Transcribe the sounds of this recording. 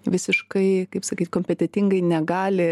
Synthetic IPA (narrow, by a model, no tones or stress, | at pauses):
ʋʲɪsʲɪʃkɐɪkɐɪpsɐkʲit̪ʲkoːmʲpʲɛt̪ʲɛt̪ʲɪŋɡɐɪnʲɛɡɑːlʲɪ